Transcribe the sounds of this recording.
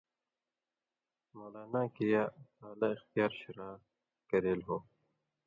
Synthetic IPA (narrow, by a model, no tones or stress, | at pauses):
moːlaːnakijasaːlaɪxt̪jaːɾɕɪɾaː | kɐɾeːlɦoː